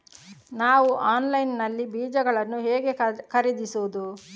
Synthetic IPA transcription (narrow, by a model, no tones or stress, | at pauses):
naːʋuʔaːnlɐjnːɐlːibiːd͡ʒɐɡɐɭɐnːuɦeːɡe̞kɐɾid̪isuːd̪u